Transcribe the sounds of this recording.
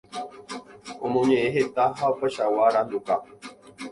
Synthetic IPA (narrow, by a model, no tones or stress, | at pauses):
omõɲẽeɦet̪aɦaopəʃawaɾand̪uka